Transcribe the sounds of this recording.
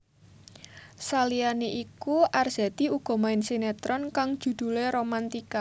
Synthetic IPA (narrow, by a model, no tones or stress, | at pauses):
salianeʔikuʔarz̥ɛ̤t̪iuɡ̥ɔ̤maɪnsinet̪ɾɔnkaŋd̥ʒ̥ṳd̪̥ṳleɾomant̪ika